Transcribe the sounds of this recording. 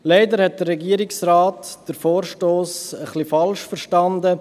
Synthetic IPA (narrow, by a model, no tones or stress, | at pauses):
leɪdəɾhɛt̚d̥ərːɛɡiəɾɪksɾaːtd̥əɾfoːɾʃtoːsəχlifɑlʃfəɾʃtɑndə